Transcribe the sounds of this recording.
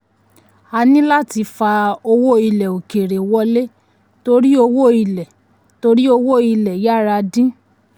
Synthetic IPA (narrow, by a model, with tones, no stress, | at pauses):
a˧nĩ˦la˦ti˧fa˧o˧wo˦i˧lɛ˨o˨ke˨ɾe˨wɔ˧˦le˦ | to˧ɾi˦o˧wo˦˨i˧lɛ˨ | to˧ɾi˦o˧wo˦i˧lɛ˨ja˦˨ɾa˧dĩ˦